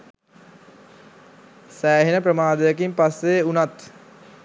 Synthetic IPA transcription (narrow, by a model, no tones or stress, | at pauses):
sæːɦinəpɾəmaːd̪əjəkimpasːeunat̪